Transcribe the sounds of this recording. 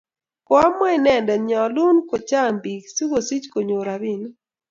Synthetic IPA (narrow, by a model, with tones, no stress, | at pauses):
kwa˦mɔ˦ɪ˨nɛ˨ndɛ˨ɲɔ˨lu˦nko˨t͡ʃa˦˨mbi˨ksi˦wo˨si˦t͡ʃko˨ɲo˨ɾa˨bi˦˨n˦